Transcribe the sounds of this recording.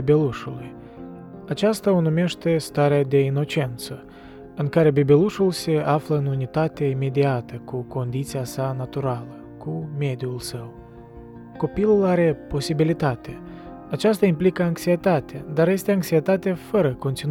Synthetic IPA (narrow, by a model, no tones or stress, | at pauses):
bʲeluʃuluj | at͡ʃast̪aonomʲeʃt̪e̞st̪aɾead̪e̞ino̞t͡ʃe̞nt̪sə | ɨnkaɾe̞bebʲeluʃulˠseafləɨnunit̪at̪ʲeimʲe̞d̪ʲiat̪əkuko̞nd̪it̪sijasanat̪uɾalə | kumʲe̞d̪ʲiulˠsəw | ko̞pilˠulaɾe̞po̞sibilit̪at̪ʲe | at͡ʃas̬t̪aimplikəaŋksijet̪at̪ʲad̪arjest̪ʲeaŋksʲiet̪at̪ʲafəɾəko̞nt̪in